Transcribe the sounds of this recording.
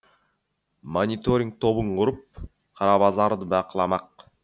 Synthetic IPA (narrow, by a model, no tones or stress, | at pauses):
monʲɪt̪oɾʲɪŋk̚t̪ʰo̞βuɴquɾup̚ | qʰɑɾɑβɑzɑɾd̪ɯbɑqɯlˠɑmɑq